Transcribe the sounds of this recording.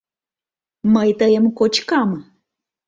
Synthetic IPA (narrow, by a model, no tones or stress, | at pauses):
majt̪ajamkot͡ʃkama